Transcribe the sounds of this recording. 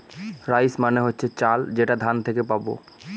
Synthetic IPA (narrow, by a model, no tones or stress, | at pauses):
ɾajsmaneɦotːɕʰet͡ɕald͡ʑeʈad̪ʱant̪ʰekepabo̰